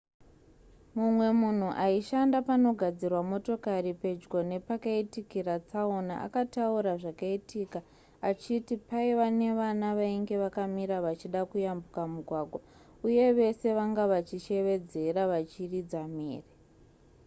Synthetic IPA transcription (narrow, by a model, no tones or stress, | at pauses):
mumwe̞mun̤uʔaiʃandapano̞ɡʱad͡zirwamo̞to̞karipe̞d͡ʒɡo̞ne̞pakaitikirat͡saona̰ʔa̰katauɾaʐakaitika | at͡ʃitipaiʋane̞ʋanaʋaiŋɡe̞ʋakamiɾaʋat͡ʃiɗakujambukamuɡʱwaɡʱwa | uje̞ʋe̞se̞ʋaŋɡaʋat͡ʃiʃe̞ʋe̞d͡ze̞ɾaʋat͡ʃirid͡zamḛːre